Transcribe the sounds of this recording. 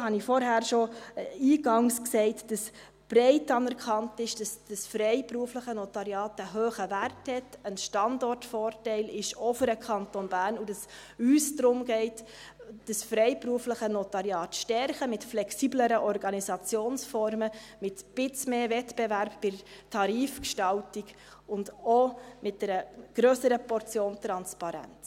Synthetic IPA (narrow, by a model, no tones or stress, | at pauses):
hɑnifɔɾɦæːɾʃoiːɡɑŋsksɛɪtd̥əs | b̥ɾɛɪtɑnɛɾkχɑntɪʃd̥ɑsd̥əsfɾɛɪpɾuəfləχənɔtɑɾjɑːtəɦøːχəværthɛtənʃtɑndɔrtfɔːrtɛɪlɪʃɔfəɾəkʰɑntonbæːɾnud̥ɑs | yːsdɾʊmɡɛɪt | d̥əsfɾɛɪpɾuəfləχənɔtɑɾjɑːtʃtɛɾχəmɪtflɛksiːbləɾəʔɔɾɡɑnisɑt͡sjoːnsfɔɾməmɪtb̥ɪt͡smeːvɛtb̥ɛvæɾpb̥ɪɾtʰɑɾiːfkʃtɑltiɡ | ʊndomɪt̚d̥ɛɾəɡ̥ɾøːsəɾəpɔɾt͡sjoːntɾɑnspɑɾæ̰nt͡s